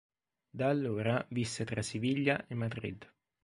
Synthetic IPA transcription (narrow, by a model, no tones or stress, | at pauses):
d̪aːlːoːɾavisːet̪ɾasiviʎːjaʔemːad̪ɾḭd̪